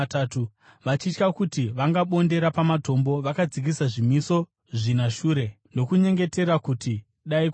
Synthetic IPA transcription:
tatu | ʋat͡ʃit͡ʃkakutiʋaŋɡaɓo̞nde̞ɾapamato̞mbo̞ʋakad͡zik̬isaʐimiso̞ | ʐinaʃuːɾe̞ndo̞kuɲe̞ŋɡe̞te̞ɾakuti | ɗaik

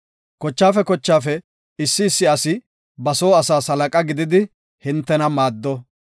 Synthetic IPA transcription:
kɔt͡ʃːaːfɛkɔt͡ʃːaːfɛ | ɪsːɪːsːɪɐsɪ | bɐso̞ːɐsaːsɐlɐkʼɐɡɪd̪ɪd̪ɪ | hɪnt̪ːɛnɐmaːd̪ːɔ

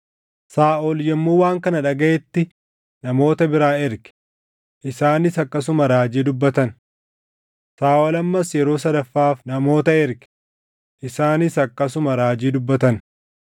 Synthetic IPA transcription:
saːʔɔljɛmːuːwaːŋkɐnɐᶑɐɡɐʔɛt̪ːɪ | nɐmo̞ːt̪ɐbɪɾaːɪɾkɪ̥ | ʔɪsaːnɪsɐkːɐs̬ʊmɐɾaːd͡ʒiːd̪ʊbːɐt̪ɐn | saːʔɔlɐmːɐsjɛɾo̞ːsɐd̪ɐfːaːfnɐmo̞ːt̪ɐɪɾkɪ̥ | ʔɪsaːnɪsɐkːɐs̬ʊmɐɾaːd͡ʒiːd̪ʊbːɐt̪ɐn

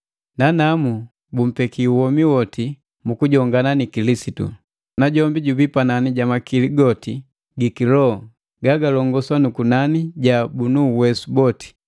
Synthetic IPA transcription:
nanamu | bum̩pɛkiuwɔmiwɔti | mukuɟɔŋɡananikilisitṵ | naɟɔmbiɟubipananiɟamakiliɡɔti | ɡikilɔ | ɡaɡalɔŋɡɔswanukunaniɟabunuwɛsubɔti̥

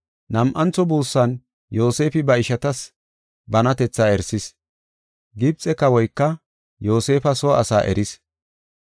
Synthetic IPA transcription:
nɐmʔɐnt͡sːɔbuːsːɐn | jo̞ːse̞ːfɪbɐɪʃɐt̪ɐs | bɐnɐt̪ɛt͡sːaːɛɾsɪs | ɡɪb̚t͡sʼɛkɐwɔjkːɐ | jo̞ːse̞ːfɐsɔɐsaːʔɛ̰ɾɪs

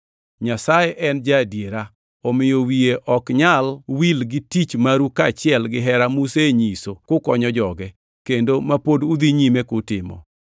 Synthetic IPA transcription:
ɲasajeʔɛnd͡ʒadjeɾa | ɔmɪjowieʔɔkɲalwilɡɪtit͡ʃmaɾukat͡ʃɪɛlɡɪɦɛɾamuseɲisokʊkɔɲɔd͡ʒɔɡɛ | kendomapodud̪iɲimekʊtɪmɔ̰

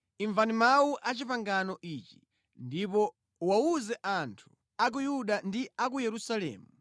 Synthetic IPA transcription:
iɱvanimawuʔat͡ʃipaŋɡanɔʔiːt͡ʃi̥ | ndipɔ | wauzɛʔantʰu̥ | ak̬ujuɗandiakujɛɾusalɛ̰ːmu

